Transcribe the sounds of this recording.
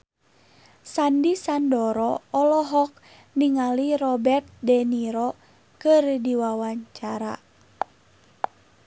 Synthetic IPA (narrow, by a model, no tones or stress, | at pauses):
sandisandɔɾɔɔlɔɦɔk̚ | niŋalirɔbɛrt̪̚dɛniɾɔ | kɨrdiwawaɲt͡ʃaɾa̰